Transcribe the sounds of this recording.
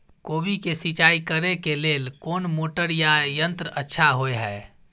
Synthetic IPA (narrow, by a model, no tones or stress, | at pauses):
koːbikesit͡ʃaːikəɾekeleːlkoːnmoːʈəɾjajənt̪ɾəətːʃʰaɦoeɦɛː